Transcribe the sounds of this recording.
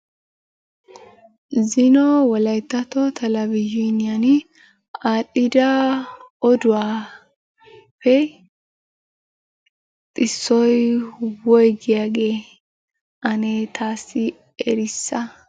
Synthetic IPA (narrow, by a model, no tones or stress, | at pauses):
zɪnɔwɔlɐjt̪ːɐt̪ɔt̪ʰɐlɐvɪd͡ʒonɪjan | aːtʼːɪd̪ɐ | ɔd̪ʊwaː | pːɛ | t̪ʼɪsːɔjwɔjɡɪjaːɡeː | ʔɐneːt̪ʰaːsːɪ | ɛɾɪsːɐ